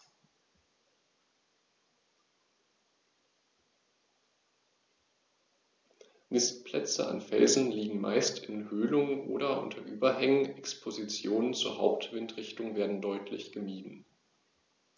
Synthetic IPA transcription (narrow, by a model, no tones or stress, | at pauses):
mɪstpʰlɛ̰t͡sə̰a̰nfɛ̰lzn̩liːɡŋ̩ma̰ɪstɪnhøːlʊŋəʔo̰ːɾɐʔʊ̰ntʰɐʔyːbɐɦɛŋənɛkspʰozit͡sjoːnənt͡suːɐhaʊp̚tv̥ɪntʁɪçtʊŋveːɐdn̩dɔʏtʰlɪ̰çɡ̥əmiːdn̩